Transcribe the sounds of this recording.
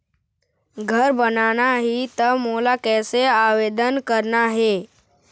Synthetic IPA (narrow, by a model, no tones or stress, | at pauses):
ɡʱəɾbənanaɦit̪əmolakɛːseaʋed̪ənkəɾnaɦe